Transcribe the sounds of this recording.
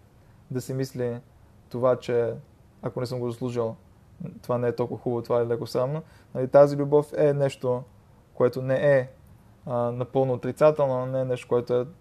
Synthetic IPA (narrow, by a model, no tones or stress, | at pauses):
d̪ɐsimisli | t̪ovat͡ʃɛ | akonɛsɤmɡozɐslˠuʒilˠ | t̪ovanɛɛt̪ɔlˠkuvəxubvot̪ovaɛlɛkosɾamno | nɐlit̪azilʲubɔfɛnɛʃt̪o | koɛt̪onɛʔɛ | nɐpɤlˠnoːt̪ɾit̪sat̪ɛlˠnonɛɛnɛʃt̪o̥koɛt̪oɛ